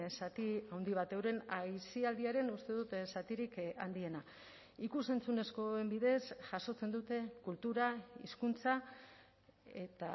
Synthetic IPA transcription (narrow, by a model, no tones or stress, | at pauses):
sat̪iawnd̪iβ̞at̪ewɾe̞najsiald̪iaɾe̞nust̪e̞ð̞ut̪sat̪iɾika̰nd̪ie̞na | ikuse̞nt͡sune̞sko̞embiðe̞sʝ̥aso̞t͡se̞nd̪ut̪e̞kult̪uɾaḭskunt͡sa | e̞t̪a